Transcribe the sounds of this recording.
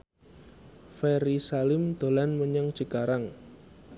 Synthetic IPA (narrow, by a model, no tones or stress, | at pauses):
fɛɾisalɪmd̪̥o̤lanməɲəŋ̥ʒ̥əɡ̥aɾaŋ